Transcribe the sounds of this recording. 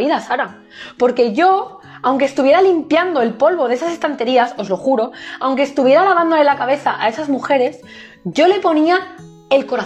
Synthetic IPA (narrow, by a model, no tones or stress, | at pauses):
iðasaɾa | po̞ɾke̞ʝo̞ | awŋkest̪uβje̞ɾalimpjand̪o̞e̞lpo̞lβo̞ðesase̞st̪ant̪e̞ɾiaso̞zlo̞xuɾo̞awŋkest̪uβje̞ɾalaβ̞and̪o̞le̞lakaβ̞e̞θaʔae̞sazmuxe̞ɾe̞s | ɟ͡ʝo̞le̞po̞nia | e̞lko̞ɾa